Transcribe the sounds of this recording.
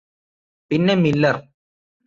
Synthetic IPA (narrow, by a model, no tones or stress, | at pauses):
pinːemilːɐr